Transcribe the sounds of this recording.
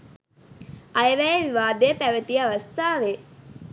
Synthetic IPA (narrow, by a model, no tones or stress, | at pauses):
ɐjəʋæjeʋiʋaːd̪eəpæʋət̪iəaʋɐst̪aːʋe